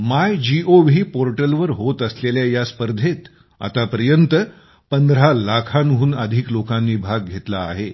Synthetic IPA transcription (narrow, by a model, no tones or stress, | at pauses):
majd͡ʑiʔoʋʱiːpoɾʈəlʋəɾɦot̪əsleljajaspəɾd̪ʱet̪ | a̰t̪apəɾjənt̪ə | pənd̪ɾalakʰanɦuːnəd̪ʱiːklokãnːiːbʱaɡ̚ɡʱet̪laːɦe